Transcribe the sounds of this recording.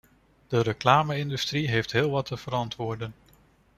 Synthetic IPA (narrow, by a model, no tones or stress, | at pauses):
d̥əɾəklaːməɪndystriɦejftɦɪːlˠʋɑtːəv̥əɾɑntʋʊːɹdən